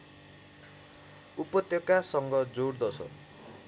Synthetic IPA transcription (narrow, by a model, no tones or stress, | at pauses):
upʌt̪jokasʌŋɡʌd͡zoɽd̪ʌsʰʌ̰